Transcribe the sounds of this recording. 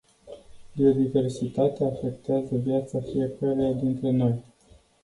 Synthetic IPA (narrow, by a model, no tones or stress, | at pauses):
b̪io̞d̪ive̞rsit̪at̪eaːfe̞kt̪eazəvjat̪safije̞kəɾead̪int̪ɾe̞no̞j